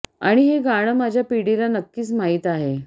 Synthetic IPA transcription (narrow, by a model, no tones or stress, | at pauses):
a̰ɽ̃iɦeɡaɽ̃əmad͡ʑʱjapiɽilanəkːiːsmaɦiːt̪aɦe